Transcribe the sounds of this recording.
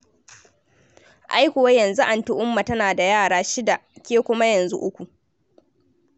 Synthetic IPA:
ʔa˦jkʷʊ˨wa˦jɐ˨nzu˦ʔa˨ntʊ˦ʔʊ˦mːa˨tɐ˦naː˨da˨jaː˦˨ɽaː˦ʃɪ˦da˨kʲeː˦kʷʊ˦ma˦jɐ˨nzṵ˦ʔʊ˦kʷu˨ʔ

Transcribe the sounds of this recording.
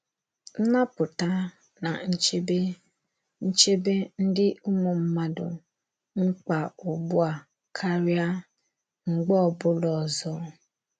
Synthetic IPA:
n̩˦na˦pʊ˨ta˦ | na˨n̩˦t͡ʃe˦be˦ | n̩˦t͡ʃe˦be˦n̩˦dɪ˦ʊ˦mo˨m̩˦ma˦dʊ̰˨ | ŋ͡m̩˦k͡pa˨ʊ˨bʊ˦a˨ | kʰa˦ɾja˦ | ŋ͡m̩˨ɡ͡bɔ˦ɔ˨bʊ˦lɔ˨zɔ˦

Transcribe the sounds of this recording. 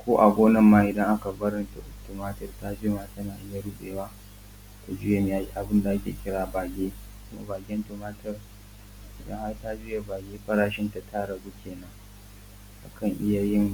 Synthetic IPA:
kʷoː˦ʔa̰˨ɡʷoː˦nɐ˨mːaː˦ʔɪ˨dɐ˦ŋʔa˦ka˨bɐ˦ɾɪ˦nta˨ʔʊ˨tʊ˨maː˦tɐ˦rta˦d͡ʒɪ˦maː˦tɐ˦naː˨ʔɪ˦ja˨ɽu˦ɓeː˨waː˦ | ta˨d͡ʒʊ˦je˨m˨ja˦˨ʔa˨bɪ˦nda˨ʔa˦kʲḛː˨kʲɪ˦ɽaː˦baː˨ɡʲeː˦ | kʊ˦ma̰˦baː˨ɡʲɛ˦n˦tʊ˨maː˦tɐ˦r | ʔɪ˨dɐ̰˦ŋha˦ta˦d͡ʒʊ˦je˨baː˨ɡʲeː˦ɸɐ˦ɾaː˦ʃɪ˦nta˨tʰa˦ɽɐ˨ɡu˦kʲʰeː˨nɐ˦ŋ | ʔa̰˨kʰɐ˦˨ŋʔɪ˦ja˨jɪ˦ŋ

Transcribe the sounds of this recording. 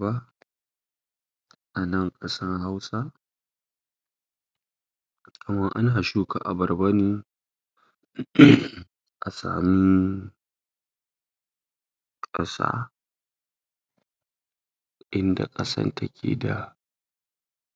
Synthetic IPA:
ba˦ | ʔa˨nɐ˦ŋkʼɐ˦sɐ˦rha˦wsa˦ | kʼɐ˨mɐ˦ŋʔa˦naa˨ʃuː˦ka˨ʔa˨bɐ˨rba˦niː˦˨ | ʔa˨sa̰ː˨mi˦ | kʼɐ̰˦sa̰ː˦ | ʔɪ˦nda̰˨kʼɐ˦sɐ̰˦ntʰɐ˦kʲʰḛː˨da˨

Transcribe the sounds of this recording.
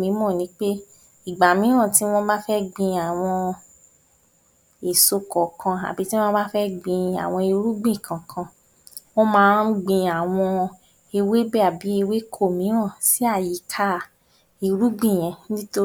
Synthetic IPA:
mĩ˨˦mɔ̃˦˨nĩ˨˦k͡pe˦ | i˦˨ɡ͡ba˨mĩ˨˦ɾ̃ɔ̃˦˨ti˨˦w̃ɔ̃˦ba˦fɛ˦ɡ͡bĩ˧a˨w̃ɔ̃˧ | e˨so˧kɔ˨kʰã˧a̰˨bi˨˦tĩ˦ɔ̃ː˦ba˦fɛ˦ɡ͡bĩ˧a̰˨w̃ɔ̃˧i˧ɾu˦ɡ͡bĩ˦˨kʰã˨kʰã˧ | w̃ɔ̃˦mãː˨˦n̩˦ɡ͡bĩ˧a˨w̃ɔ̃˧ | e˧we˦bɛ˦˨a˨bi˨˦e˧we˦kʰo˦˨mĩ˨˦ɾ̃ɔ̃˦˨si˦a˦˨ji˨˦kʰa˦˨ | i˧ɾu˦ɡ͡bĩ˦˨j̃ɛ̃˨˧nĩ˦to˦

